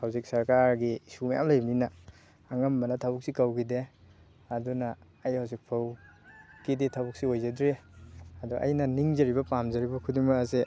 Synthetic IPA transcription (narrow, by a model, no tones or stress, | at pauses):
hawzik̚sɐɾkaɾɡisumaja̰mlajbninɐː | ŋɐmbɐnɐtʰabuk̚sikawɡide | ɐdunɐː | jhawzik̚pʰaw | kidetʰawbuk̚siojzadɾeɐdɔʔa̰jnɐniŋzɐɾibɐpamzɐɾibɐkʰuduŋmɐkɐse